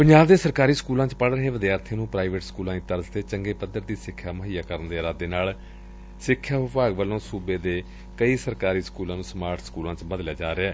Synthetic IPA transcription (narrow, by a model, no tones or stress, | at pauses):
pəɲd͡ʒaːbd̪eːsəɾkaːɾiːskuːlãːt͡ʃpəɽɾəɦeːʋəd̪ijaːəɾt̪ʰẽːnũːpɾaːiʋeːʈskuːlãːĩt̪əɾzt̪eːt͡ʃəŋɡeːpəd̪əɾd̪iːsɪkʰːjaːməɦijaːkəɾənd̪eːɾaːd̪eːnaːl | sɪkʰːjaːʋɪpaːɡʋəlːõːsuːbeːd̪eː | kəiːsəɾkaːɾiːskuːlãːnũːsmaːɾʈskuːlãːt͡ʃbəd̪lejaːd͡ʒaːɾeɛː